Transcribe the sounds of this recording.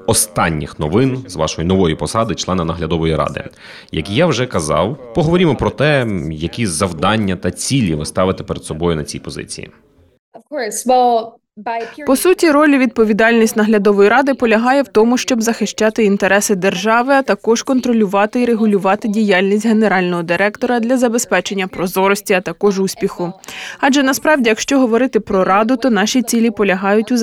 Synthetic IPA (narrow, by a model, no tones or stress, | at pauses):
ɔst̪ɑnʲːḭxnɔʋɪnzʋɑ̰ʃɔjinɔʋɔjipɔsɑd̪ɪt͡ʃlˠɛnɐnɐɦlʲɐd̪ɔʋɔjiɾɑ̰d̪ɪ̰ | jɐ̰kjawʒɛkɐzɑ̰wpɔɦɔʋɔɾʲimɔpɾɔt̪ɛjɐkʲizɐwd̪ɑnʲːɐt̪ɐt͡sʲilʲiʋɪst̪ɑʋɪt̪ɪ̥peɾd̪sɔbɔjʊnɐt͡sʲijpɔzɪ̰t͡sʲḭjḭ̥ | kʰɔswɛlˠ | pɔsutʲiɾɔlʲiʋʲid̪̚pɔʋʲid̪ɑlʲnʲisʲtʲnɐɦlʲɐd̪ɔʋɔjiɾɑd̪ɪpɔlʲɐɦɑjɛwt̪ɔmʊʃt͡ʃɔbzɐxɪʃt͡ʃɑt̪ɪint̪eɾɛsɪd̪erʒɑʋɪɐt̪ɐkɔʒ̥kɔnt̪ɾɔlʲʊʋɑt̪ɪiɾeɦʊlʲʊʋɑt̪ɪdʲijɑlʲnʲis̬ʲtʲɦe̞ne̞ɾɑlʲnɔɦɔd̪ɪɾɛkt̪ɔɾɐd̪lʲɐzɐbe̞spɛt͡ʃe̞nʲːɐpɾɔzɔɾɔsʲtʲiɐt̪ɐkɔʒusʲpʲixʊɑʒɛnɐspɾɑwdʲijɐkʃt͡ʃɔɦɔʋɔɾɪt̪ɪpɾɔɾɑd̪ʊt̪ɔnɑʃʲit͡sʲilʲipɔlʲɐɦɑjʊtʲʊ